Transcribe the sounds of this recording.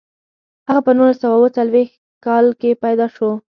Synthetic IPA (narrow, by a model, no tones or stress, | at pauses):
haɣapənulasawawət͡salwex | kɑlkepajd̪ɑʃo